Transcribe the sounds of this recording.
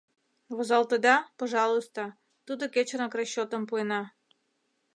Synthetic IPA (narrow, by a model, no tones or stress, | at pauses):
βozɑlˠt̪əd̪ɑpoʒɑlˠust̪ə | t̪ud̪okʲet͡ɕənɑkrɐɕːot̪əmpuenɑ